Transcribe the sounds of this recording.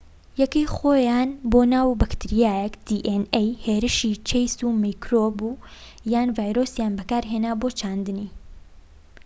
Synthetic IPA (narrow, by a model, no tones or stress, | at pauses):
jɛkejxoːjaːnboːnaːwbɐkt̪ɨɾijaːjɛkd̪̥iʔenejheːɾɨʃit͡ʃʰejsuːmijkɾoːbu | jaːnvaːjɾosjaːnbɐkaːɾɦeːnaːboːt͡ʃʰaːnd̪ɨni